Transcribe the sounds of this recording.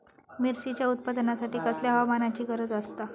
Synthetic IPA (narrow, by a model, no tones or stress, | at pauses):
miɾɕit͡ɕjaut̪̚pad̪nasaʈiːkəsljaɦʋamanat͡ɕiːɡəɾəd͡zəst̪a